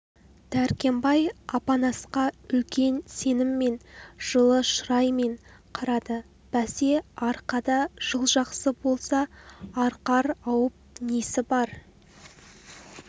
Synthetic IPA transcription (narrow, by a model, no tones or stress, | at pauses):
d̪̥æɾkʲe̞mbɑjɑpɑnɑsqɑɵlkʲe̞nse̞nɪmːe̞nʒ̥əlˠəʃʊɾɑjme̞ɴqʰɑɾɑd̪ə | b̥æse̞ɑɾqɑd̪ɑʒ̥əlˠʒɑqsəbo̞lˠsɑːɾqɑɾɑwəp̚ɪnesɪbɑɾ